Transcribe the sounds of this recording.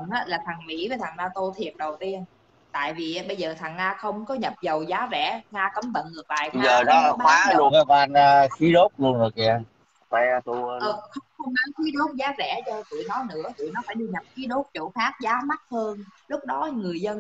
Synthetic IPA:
nʔaː˨˦laː˨˩t̪ʰa˨˩ŋmḭ˧˥vəː˨˦jt̪ʰa˨˩ŋnaː˧t̪o˧t̪ʰi˨˩ət̚ɗə˨˩wt̪i˧ən | t̪a̰ː˧˨jvi˨˩˨ɓə˧jzəː˨˩t̪ʰa˨˩ŋːaː˧xə˧wŋ͡mkɔ˨˦ɲə˨˩p̚zə˨˩wzaː˨˦zɛ̰˧˩˥ŋaː˧kə˨˦mvə̰˧˨nŋɨ˨˩ək̚laː˨˩j̪a˨zəː˩˨˩nɔ˧˨˦ɓa˦aː˨˦lu˧əna˧kːa˧nə˧xi˨˦ɗo˦˥p̚lu˧ənɨ˨˩ək̚i˧˩˧ | kɛ˧t̪u˧ʔəː˨˩xə˧wŋ͡mxə˧wŋ͡ma˨˦nxi˨˦ɗo˦˥t̚zaː˨˦zɛ̰˧˩t͡ɕɔ˧tɨ̰˧˨jnɔ˨˦nɨ̰˧˥ət̪ɨ̰˧˨nɔ˨˦faː˧˩jɗɨ˨˩ɲə˨˩p̚xi˨˦ɗo˦˥p̚t͡ɕo˧˩faː˦˥k̚zaː˨˦ma˦˥t̚həː˧nlʊ˦˥k͡p̚ɗɔ˨˦ŋɨ˨˩əjzə˧n

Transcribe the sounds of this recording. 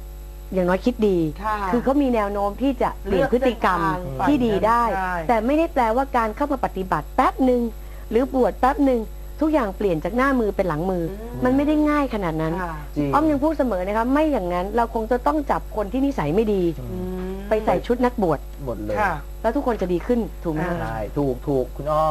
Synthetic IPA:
jaː˨˩ŋnɔː˦˥jkʰi˦˥t̪̚diː˧kʰɯː˧kʰa˦˥wmiː˧nɛː˧wnoː˦˥mt̪ʰiː˥˩t͡ɕa˨˩ʔpli˨˩ə˩pʰɯ˦˥t̪ːi˧˨ka˧mʰiː˥˩diː˧daː˥˩jt̪ɛː˨˩ma˥˩jda˥˩jplɛː˧waː˥˩kaː˧nkʰa˥˩wmaː˧pa˨t̪ːi˨˩ba˨˩t̪̚pɛ˦˥p̚nɯ˨˧ŋ | ɾɯː˩˦bu˨˩ət̪̚pɛ˦˥p̚nɯ˨˧ŋ | t̪ʰu˦˥k̚jaː˨˩ŋpli˨˩ənt͡ɕaː˨˩k̚naː˥˩mɯː˧pe˧nla˩˦ŋmɯː˧ | ma˧nma˥˩jda˥˩jŋaː˥˩jkʰa˧naː˨˩t̪̚na˦˥n | ʔɔː˥˩ŋɲja˧ŋpʰuː˥˩t̪̚sa˧mɤː˩˦na˦˥kʰa˦˥p̚ma˥˩jːaː˨˩ŋːa˦˥nɾa˧wkʰo˧ŋt͡ɕa˨˩t̪ɔ˥˩ŋt͡ɕa˨˩p̚kʰo˧nt̪ʰiː˥˩ni˦˥sa˨˩˦jma˥˩jdiː˧ | pa˧jsa˨˩jt͡ɕʰu˦˥t̪̚na˦˥k̚bu˨˩ət̪̚mo˨˩t̪̚lː | lɛː˦˥wt̪ʰu˦˥kʰːo˧nt͡ɕa˨˩diː˧kʰɯ˥˩nt̪ʰuː˨˩k̚mʰ˦˥˩a˧˥t̪ʰuː˨˩k̚t̪ʰuː˨˩k̚

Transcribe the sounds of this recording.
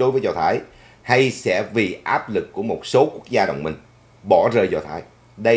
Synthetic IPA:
ɗo˨˦jvəː˨˦jzɔ˨˩t̪ʰaː˨˦j | ha˧jsɛ̰˧˥vi˨˩ʔaː˦˥p̚lɨ˨˩kːu˧˩əmo˨˩t̚so˨˦ku˦˥ək̚zaː˧ɗo̰˧˨wŋ͡mmï˨˩ŋ̟ | ɓɔ˧˩zəː˨˩jzɔ˨˩t̪ʰaː˨˦j | ɗə˧

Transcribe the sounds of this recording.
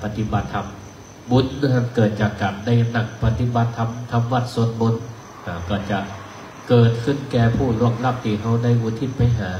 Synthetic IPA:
pa˧t̪ʰi˧ba˨˩t̪ʰːa˧m | bu˨˦˥na˧˩kɤː˨˩t̪̚t͡ɕaː˨˩kːa˨˩p̚na˧˩jna˨˩k̚pa˧t̪ʰi˧˥ba˨˧t̪ʰːa˧mt̪ʰa˧mwa˧˩t̪̚su˨˦ənbu˨˦n | ʔa˧˩kɔː˧˩t͡ɕa˨˩ʔ | kɤː˨˩t̪̚kʰɯ˧˥˩nkɛː˧pʰuː˥˩lu˧˥˩əŋ̚la˧˥˩p̚t̪iː˨˩ɦʰa˧˥˩wda˧˨jʔuː˨˩t̪ʰi˧˥˩t̪̚pa˧jɦaː˩˦

